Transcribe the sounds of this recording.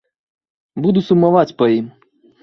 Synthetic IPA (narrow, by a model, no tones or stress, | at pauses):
bud̪usumavat͡sʲpɐim